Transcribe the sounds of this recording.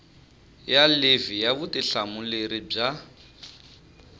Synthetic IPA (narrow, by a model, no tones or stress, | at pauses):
jalevijaβʊtɪɬamuleɾib͡ʐa